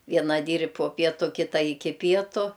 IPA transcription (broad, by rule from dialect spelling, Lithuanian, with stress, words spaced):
ˈʋʲiɛnɐ ˈdʲiːrʲ poː ˈpʲiɛtʊ ˈkʲɪtɐ ˈɪkʲɪ ˈpʲiɛtʊ